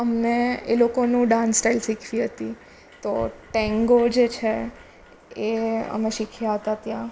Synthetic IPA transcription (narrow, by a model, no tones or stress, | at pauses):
əmneelokonũɖãnsʈailsikʰʋĩɦət̪i | t̪oʈɛ̃ŋɡod͡ʒet͡ʃʰe | eə̰meʃikʰjaɦət̪at̪jã